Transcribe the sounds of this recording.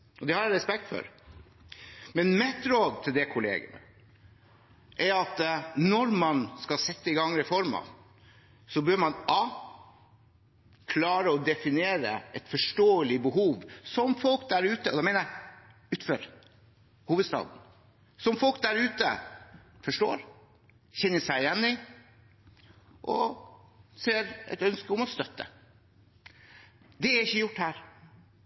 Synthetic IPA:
ʔɔd̪ɛhɑɾæɾɛspɛk̚t̪fɔ̰ɾ | mɛnmɛt̪ːɾoːd̪t̪ʰɪld̪ɛkʰʊlḛːɡə̰nə̰ | ʔɛɾɑt̪nɔɾmɑnskɑsɛt̪ːəɪɡɑŋːɾɛfɔɾmɑ̰ | sɔbøːɾmɑnɑ | kʰlɑːɾəɔd̪ɛfɪneːɾə̰ɛt̪fɔʂʈoːəlɪbəɦuːʋsɔmfɔlkd̪æɾʉːt̪əʔɔd̪ɛmeɪnæ | ʉːt̪føːɾ | huːʋəd̪st̪ɑ̰ːd̪n̩ | sɔmfɔlk̚d̪æɾʉːt̪ə̰ | fɔʂʈo̰ːɾ | çɛnːəʂæɪɪjɛnːɪ | ʔɔ̰ | seːɾɛ̰t̪œnskəʊmɔst̪œt̪ːə̰ | d̪ɛæɾɪçːəjʊʈːhæːɾ

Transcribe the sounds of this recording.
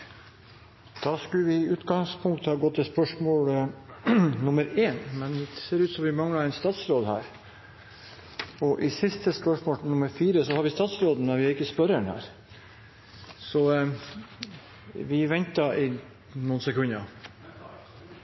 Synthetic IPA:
d̪̥ɑːskʉləʋɪʉːt̪ɡɑŋspʰʊŋk̚t̪əhɑːɡɔt̪ːɪspœʂmoːlə | nʊməɾeːnmɛnseːɾʉːt̪sɔmʋɪmɑŋːəɑɾɛɪnst̪ɑːt̪sɾoːd̪hæ̰ːɾ | ɔʔɪsɪst̪əspœʂmoːlnʊməɾfiːɾəsɔhɑɾʋɪst̪ɑːt̪sɾoːd̪n̩mɛnʋɪæɾɪkːəspœɾəɳhæ̰ːɾ | sɔ | ʋɪʋɛnt̪ɑʔɪ | nuːnsɛkʰʉɲɑ

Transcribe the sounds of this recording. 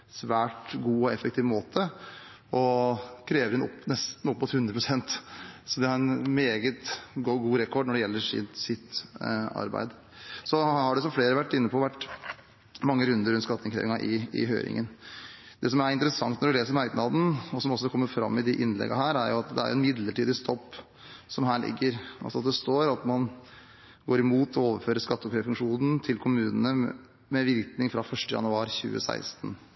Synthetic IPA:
sʋæːʈɡuːɔɛfɛk̚t̪ʰiːʋmoːt̪ʰə | ʔɔkʰɾeːʋəɾɛnɔpːnɛst̪n̩ɔpːmʊt̪hʉnd̪ɾəpʰɾʊsɛnt̪sɔd̪ɛɑɾɛnmeːɡət̪ɡɡuːɾɛkʰɔɖnɔɖɛjɛlːəʂɪ̰t̪sɪt̪ɑ̰ɾbæ̰ɪd̪ | sɔhɑɖɛs̬ɔmfleːɾəʋæʈːɪnːəpʰɔʋæʈː | mɑŋːəɾʉnd̪əɾʉnt̪skɑt̪ːɪŋkʰɾḛːʋɪŋɑʔɪɪ̰ɦø̰ʏɾɪ̰ŋən | d̪ɛsɔmæɾɪnt̪əɾəsɑŋt̪nɔɖʉleːsəɾɔmhæɪd̪nɑd̪n̩ɔsɔmɔsːɔkʰɔmːəɾfɾɑ̰mːɪd̪ɪʔɪnlɛ̰ɡɑɦæːɾæɾjʊɑt̪d̪ɛ̰æ̰ɾjʊɛnmɪd̪ləʈiːd̪ɪst̪ʰɔpː | sɔmɦæːɭɪ̰ɡːəɾɑ̰lsɔɑt̪̚d̪ɛst̪oːɾɑt̪mɑn | ɡoːɾɪmuːt̪ʰɔoːʋəɾføːɾəskɑt̪ːɔkʰɾefʉŋkʂuːnn̩t̪ʰɪlkʰʊmʉːnənə | mɛʋɪɾknɪŋfɾɑfœʂʈəjɑ̰nʉɑːɾçʉ̰ːə̰sæ̰ɪst̪n

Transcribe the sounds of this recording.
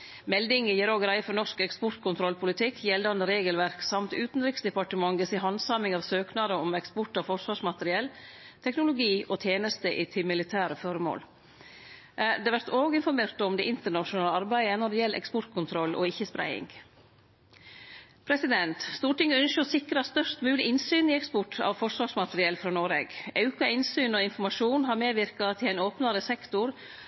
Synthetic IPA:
mɛld̪ɪŋəjiːɾoːɡɾæɪfɔɾnɔʂkɛkspɔɾt̪kʰʊnt̪ʰɾɔlpʰʊlɪt̪ʰɪkʰːjɛld̪ɑnd̪əɾeːɡəlʋæɾksɑmt̪ʉːt̪n̩ɾɪksd̪ɛpɑʈəmɑŋɡəsɪɦɑnsɑmɪŋɑːʋsøːknɑd̪əɔmɛkspɔʈɑfɔʂʋɑːʂmɑt̪əɾɪɛlt̪ʰɛknʊlʊɡiːʔɔːt̪ʰjeːnəst̪əʔɪt̪ʰɪmɪlɪt̪ʰæːɾəfɔɾmo̰ːl | d̪ɛːʋæɾt̪oːɡəɪnfɔɾmeːɾt̪ɔmd̪ɛʔɪnt̪əɳɑʃʊnɑːləɑɾbæɪənɔɖɛjɛlʔɛ̰kspɔɾʈ̪kʰʊnt̪ʰɾɔlːʔɔ̰ɪçːəspɾæ̰ɪɪ̰ŋɡ | pʰɾɛsɪd̪ɛnt̪st̪uːʈɪŋːəʉnʃəɔsɪkɾɑst̪œʂt̪mʉːlɪʔɪnsyːnɪɛkspɔʈɑ̰ʋfɔʂʋɑːʂmɑt̪əɾɪɛlfɾɑːnoːɾeːɡɑʉkɑɪnsyːnɔɪnfɔɾmɑʂuːnɦɑɾmeːʋɪɾkɑt̪ʰɪlæɪnoːpnɑɾəsɛkt̪ʊɾ

